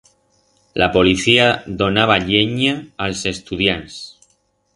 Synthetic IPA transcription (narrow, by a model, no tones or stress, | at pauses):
lapoliθiaðonaβ̞aʎeɲaːlsest̪uðjans